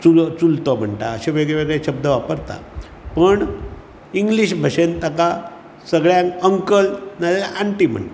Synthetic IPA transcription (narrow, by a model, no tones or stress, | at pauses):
t͡sult͡sult̪ɔm̤əɳʈ̪aəɕeʋeɡɭeʋeɡɭeɕəb̚d̪ʱəʋapəɾt̪a̰ | pəɳ | iŋɡliɕbʱəɕent̪əka | səɡɭjãŋkəŋkəlnalelaʔaɳʈim̤ə̰ɳʈ̪a